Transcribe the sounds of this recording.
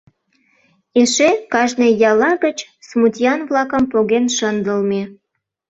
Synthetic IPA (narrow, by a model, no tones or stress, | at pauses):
eʃekɑʒnejɑlɑɣət͡ɕ | smut̪ʲijɑnvlɑkəmpoɣenʃənd̪əlme